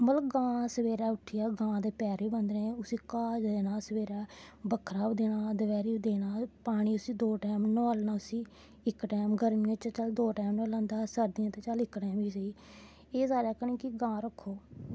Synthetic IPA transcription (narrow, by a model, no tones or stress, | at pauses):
məlɡãːsəʋeːɾaːʊʈʰːɪjaːɡãːd̪eːpɛːɾiːbənd̪ɾẽːʊsiːkaːd͡ʒd̪eːnaːsəʋeːɾaːbəkʰɾaːbd̪eːnaːd̪əʋɛːɾiːd̪eːnaːpaːɽ̃iːʊsĩːd̪oːʈɛːmnəaːlnaːʊsĩː | ɪkʈɛːmɡəɾmĩãt͡ʃət͡ʃəld̪oːʈɛːmnəlãːnd̪aːsəɾd̪ɪjãːt̪eːt͡ʃəlɪkːʈɛːmiːsəiː | eːsaːɾaːkənĩːkiɡãːɾəkʰːoː